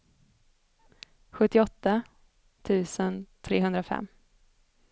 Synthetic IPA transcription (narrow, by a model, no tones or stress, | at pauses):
ɧɵt̪ːɪɔt̪ːa | t̪ʰʉ̟ːsənt̪ʰɾeːɦɵnd̪ɾafɛ̰mː